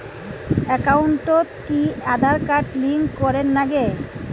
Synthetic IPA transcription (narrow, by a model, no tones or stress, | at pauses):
ɛkawɳʈot̪kiad̪ʱaɾkaʈliŋkɔɾenːaɡe